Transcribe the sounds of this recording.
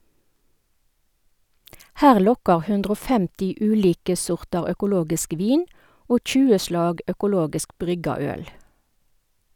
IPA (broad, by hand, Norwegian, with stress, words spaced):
ˈhæːʁ ˈlɔkɑʁ ˈhʉndʁ ˈoː ˈfɛmtɪ ˈʉːliːkə ˈsɔʁtɑʁ œkʊˈloːɡɪsk ˈʋiːn ˈoː ˈçʉːə ˈʃlɑːɡ œkʊˈloːɡɪsk ˈbʁʏɡɑ ˈœl